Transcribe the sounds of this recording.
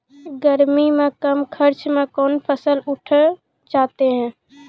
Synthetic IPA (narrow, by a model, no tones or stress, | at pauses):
ɡəɾmimẽkəmkʰəɾt͡ʃmẽkɔːnpʰəsəlʊʈʰə | t͡ʃaːt̪eɦɛ̃ː